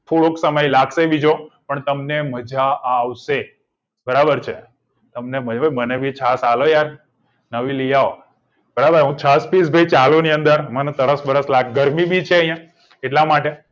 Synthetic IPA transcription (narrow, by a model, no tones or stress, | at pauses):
tʰuɭoksəməjlaɡseʋid͡ʒopəɳt̪əmneməd͡ʒaaʋʃe | bəɾabəɾt͡ʃʰe | t̪əmneməd͡ʒabʱəjmənebʱit͡ʃʰasalojaɾ | nəʋilijao | b̥əɾabəɾɦũt͡ʃʰaspisbʱəjt͡ʃaloniənd̪əɾmənet̪əɾəsbəɾəslaɡɡəɾmibit͡ʃʰeəɦjã | eʈlamaʈe